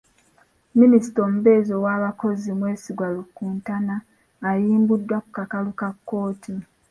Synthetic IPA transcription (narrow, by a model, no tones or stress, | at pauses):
minisi̥toːmuβe̞ːzowaːβako̞zimwe̞ːsiɡwalukuːntanaː | jiːmbudːwaku̥kakalukakːo̞ːtʰi